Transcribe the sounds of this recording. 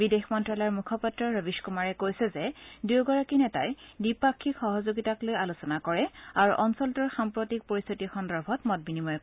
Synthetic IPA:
bidexmɔntɹalaɹmukʰɔpatɹɔɹobiʃkumaɹɛkojsɛzɛduɡɔɹakinɛtajdipakʰːikxɔɦɔzoɡitaklojalusɔnakɔɹɛaɹuʔɔnsɔltɔɹxampɹotik̚poɹist̪ʰitixɔndɔɹbʱɔtmɔt̚binimɔjk

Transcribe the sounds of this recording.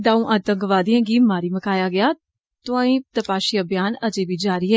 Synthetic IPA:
d̪aːũːʔaːt̪ə̃ŋɡʋaːd̪ijãːɡiːmːaːɾiːməkaːjaːɡɪjaː | t̪ʊãːĩːt̪əpaːʃiːəbjaːnəd͡ʒeːbiːd͡ʒaːɾɪːɛː

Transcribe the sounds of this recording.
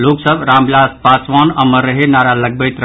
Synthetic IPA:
loksəbɾamblaspasʋanəməɾəɦenaɾaləɡ̚bəɪt̪ɾ

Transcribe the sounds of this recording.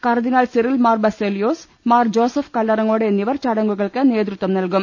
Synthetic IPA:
kɐrɐd̪inaːlsirilmaːrbɐselijoːs | maːrd͡ʑo̞ːsɐfkɐlːɐɾɐŋo̞ːɽeenːiʋɐrt͡ɕɐɽɐŋɡuɣɐɭkɨne̞ːd̪ɾut̪ːʋɐmnɐlkum

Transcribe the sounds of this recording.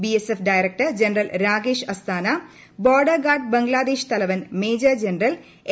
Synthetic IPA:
biesefɖaːjɾek̚ʈɐrd͡ʑenɐrɐlɾaːɡeːʂɐst̪ʰaːnɐ | boːɖɐrɡaːrɖ̚bɐŋɡlaːd̪eːʂt̪ɐlɐʋɐnmeːd͡ʑɐd͡ʑenɐrɐl

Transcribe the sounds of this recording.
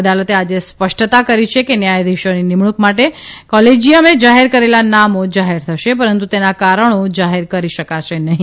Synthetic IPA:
əd̪alət̪ead͡ʒespəʃʈt̪akəɾit͡ʃʰekenjajd̪iʃoninimɳukmaʈekɔled͡ʒiəmed͡ʒaɦeɾkəɾelanamod͡ʒaɦeɾt̪ʰəʃep̬əɾənt̪ut̪enakaɾəɳod͡ʒaɦeɾkəɾiʃəkaʃenəɦĩ

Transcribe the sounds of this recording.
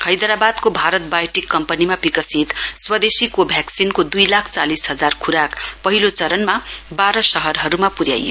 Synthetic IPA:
kʰʌjd̪ʌɾabad̪kobʱaɾʌt̪̚bajʈikːʌmpʌnimabikʌsit̪swʌd̪esikobʱjaksinkod̪ujlakʰt͡salisɦʌd͡zarkʰuɾakpʌɦilot͡sʌɾʌnmabaɾʌsʌɦʌrɦʌɾumapuɾja̰jo

